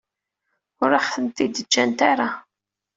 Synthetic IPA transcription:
ʊɾaħθənt̪ːid̪əd͡ʒːænt̪aɾa

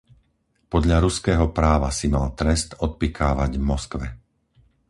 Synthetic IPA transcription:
pɔd̪ʎaɾuskɛːɦɔpɾaːʋasimalt̪ɾɛst̪ɔt̪̚pikʰaːʋaɟmɔskʋɛ

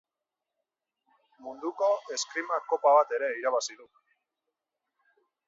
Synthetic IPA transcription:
mund̪uko̞e̞skɾimako̞paβat̪e̞ɾe̞iɾaβasiðu

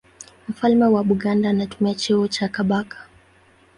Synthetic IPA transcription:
m̩falmɛwaɓuɠandanatumiat͡ʃɛɔt͡ʃakaɓakʰḁ

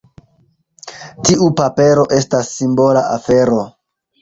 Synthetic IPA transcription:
tiʔupape̞ɾo̞ʔe̞stasːimbo̞laʔafe̞ɾo̞

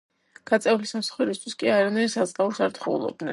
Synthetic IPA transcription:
ɡ̥at̪sʼɛulisamsḁχuɾist̪ʰwiskʼiaɾanajɾsasʼqʼauɾsaɾt̪ʰχɛṵlˠɔ̰b̚d̪nɛ̰n

